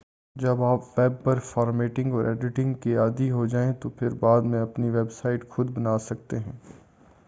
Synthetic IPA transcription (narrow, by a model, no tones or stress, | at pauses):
d͡ʒɐbaːpʋɛːb̚ːɐɾfɔːɾmeːʈɪ̃ŋɡɔːɾʔɛːɖɪʈɪ̃ŋɡkiaːd̪iɦod͡ʒaːẽt̪opʰɪɾbaːd̪mẽɐpniʋeːbsaːɪʈxʊd̪bɐnaːsɐk̚t̪eɦɛ̃ː